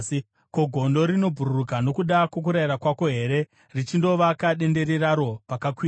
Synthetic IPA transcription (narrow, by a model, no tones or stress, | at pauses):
ko̞ɡʱo̞ndo̞ɾino̞bʱuɾurukano̞kuɗakwo̞k̬uɾaiɾakwako̞ɦe̞ɾe̞ | rit͡ʃindo̞ʋakaɗe̞nde̞ɾeraɾo̞pakakwiː